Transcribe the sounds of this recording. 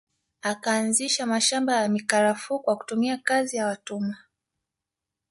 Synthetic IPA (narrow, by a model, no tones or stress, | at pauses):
akaːnziʃamaʃambajamikaɾafukwaku̥tumiakazijawatuma